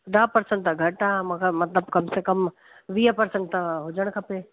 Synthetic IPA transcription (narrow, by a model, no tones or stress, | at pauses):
ɖaːpɐɾsə̃ɳʈ̚t̪ʰãɡʱɐʈamãːkʰamɐt̪ləbkɐmsekəm | ʋiːɦəpɐɾsə̃ɳʈ̚t̪aɦʊd͡ʒəɽ̃kʰɐpe